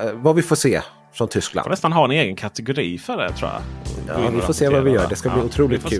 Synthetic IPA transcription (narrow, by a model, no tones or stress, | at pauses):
vavɪfoːʂeː | fɾɔnt̪ʰʏskla̰ɔnɛst̪anɦɑɛneːɡənkʰat̪ɛɡʊɾiːfœɖɛ̰t̪ʰɾṵːja̰vɪffoːseːvavɪjœ̰ːɖɛskabliːʊt̪ʰɾuːlɪkt̪̚kʰʉː